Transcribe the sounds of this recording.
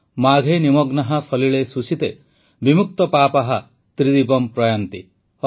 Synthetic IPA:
maɡʱenimɔɡnaɦasɔliɭesusit̪e | bimuk̚t̪ɔpapaɦa | t̪ɾid̪ibɔmpɾɔjant̪ḭ

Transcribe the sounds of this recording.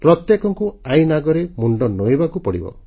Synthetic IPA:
pɾɔt̪jekɔŋkuajnaɡɔɾemuɳɖɔnojbakupɔɽḭbɔ̰

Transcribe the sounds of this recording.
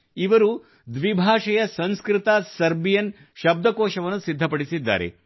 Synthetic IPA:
iʋɐɾu | d̪ʋibʱaːʂɐjɐsɐ̃nskɾit̪asɐɾbijɐn | ʃɐb̚d̪ʱɐkoːʃɐʋɐnːusid̪ʱːɐpɐɽisid̪ːa̰ːɾe̞̰

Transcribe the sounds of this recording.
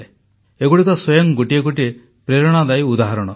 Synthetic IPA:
e | eɡuɽikɔswɔjɔŋɡuʈieɡuʈie | pɾeɾɔɽ̃ad̪ajud̪aɦaɾɔɽ̃ɔ

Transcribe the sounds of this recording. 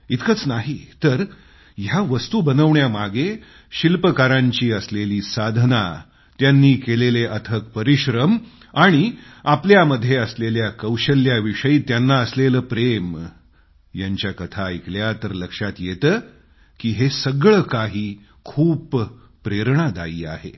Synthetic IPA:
it̪kət͡snaɦit̪əɾ | jaʋəst̪ubənəʋɳjamaɡe | ɕilpəkaɾaɲt͡ɕiːəsleliːsad̪ʱna | t̪janːiːkeleleʔət̪ʰək̚pəɾiɕɾəm | aɽ̃iapljaməd̪ʱːjeəsleljakəwɕəlːjaʋiʂəjiːt̪janːaəsleləːpɾem | jaɲt͡ɕjakət̪ʰaikljat̪əɾləkʂat̪jet̪əː | kiːɦesəɡɭəkaɦiː | kʰuːpː | ɾeɾɳad̪a̰iːa̰ɦḛ

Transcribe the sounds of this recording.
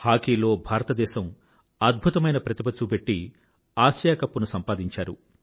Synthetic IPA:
haːkiːlo̞ːbʱaːɾɐt̪ɐd̪ɛːʃɐm | ɐd̪̚bʱut̪ɐmɐjnɐpɾɐt̪ipɐt͡ʃːupe̞ʈːi | aːsjaːkɐpːunusɐmpaːd̪iɲt͡ʃaːɾṵ

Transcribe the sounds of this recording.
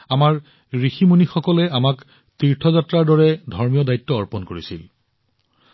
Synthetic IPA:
amaɹ | ɹiximunixɔkɔlɛamak | tiɹtʰɔzatɹaɹdɔɹɛdʱɔɹmijɔdajtːɔːɹpɔnkoɹisḭl

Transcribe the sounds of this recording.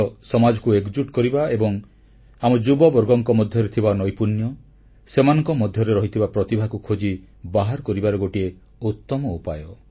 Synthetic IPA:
sɔmad͡ʒɔkueɡd͡ʒuʈkɔɾibaebɔŋ | amud͡ʒubɔbɔɾɡɔŋkɔmɔd̪ʱjɔɾet̪ʰibanɔjpunjɔ | semanɔŋkɔmɔd̪ʱjɔɾeɾɔɦit̪ʰibapɾɔt̪ibʱakukʰod͡ʒi | baɦaɾkɔɾibaɾɔɡoʈie | ut̪ːɔmɔupajɔ

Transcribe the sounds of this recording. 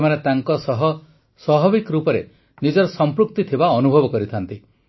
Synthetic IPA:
emanet̪aŋkɔsɔɦɔ | sɔɦɔbikɾupɔɾe | nid͡ʒɔɾɔsɔmpɾuk̚t̪it̪ʰibaɔnubʱɔbɔkɔɾit̪ʰant̪i

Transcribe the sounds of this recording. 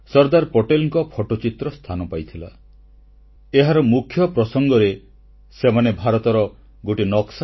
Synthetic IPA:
sɔɾd̪aɾpɔʈelŋkɔpʰɔʈot͡ʃit̪ɾɔst̪ʰanɔpajt̪ʰila̰ | eɦaɾɔmukʰjɔpɾɔsɔŋɡɔɾe | semanebʱaɾɔt̪ɔɾɔ | ɡoʈinɔks

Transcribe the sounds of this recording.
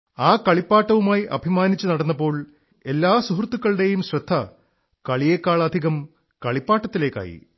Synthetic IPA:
aːkɐɭipːaːʈːɐʋumaːjiʔɐ̰bʱimaːnit͡ɕːunɐɽɐnːɐpːo̞ːɭ | e̞lːaːsuɦrt̪ːukːɐɭɽe̞jumɕrɐd̪ʱːɐ | kɐɭijekːaːɭɐd̪ʱiɣɐm | kɐɭipːaːʈːɐt̪ːile̞ːkːa̰ːjḭ

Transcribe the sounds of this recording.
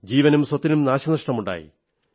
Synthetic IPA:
d͡ʑiːʋɐnumswɐt̪ːinumnaːɕɐnɐʂʈɐmuɳɖa̰ːjḭ

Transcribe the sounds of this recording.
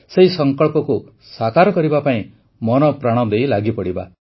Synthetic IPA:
seisɔŋkɔɭpɔku | sakaɾɔkɔɾibapaĩ | mɔnɔpɾaɽ̃ɔd̪ejlaɡipɔɽiba̰

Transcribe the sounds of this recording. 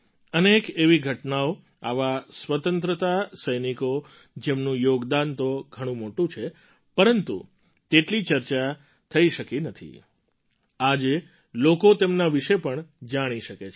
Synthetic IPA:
ənekeʋiɡʱəʈnao | aʋasʋət̪ənt̪ɾət̪asəjniko | d͡ʒemnũjoɡd̪ant̪oɡʱəɽ̃ũmoʈũt͡ʃʰe | pəɾənt̪ṵ | t̪eʈlit͡ʃəɾt͡ʃa | t̪ʰəiʃəkinət̪ʰḭ | ad͡ʒe | lokot̪emnaʋiʃepəɳd͡ʒaɽ̃iʃəket͡ʃʰ

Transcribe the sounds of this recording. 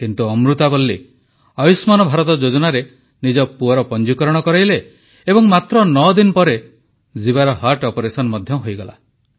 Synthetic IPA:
kint̪uɔmɾut̪abolːe | ɔjusmanɔbʱaɾɔt̪ɔd͡ʒod͡ʒɔnaɾe | nid͡ʒɔpuɔɾɔpɔnd͡ʒikɔɾɔɽ̃ɔkɔɾajleː | bɔŋmat̪ɾɔnɔd̪inpɔɾe | zibaɾɔɦaɾʈɔpɔɾesɔnɔmɔd̪ʱjɔɦojɡɔla̰

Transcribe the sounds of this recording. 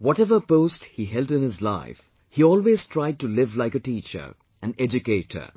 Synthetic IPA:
wɔtɛvə˞poʊsthiɦɛlˠdɨ̃nhɪzla̰ɪf | hiɔːlweːz̥tʰɹaɪd̚ʈulɪvlaɪkətiːt͡ʃə̰˞ | æ̃nɛd͡ʒɨkeɪthə̰

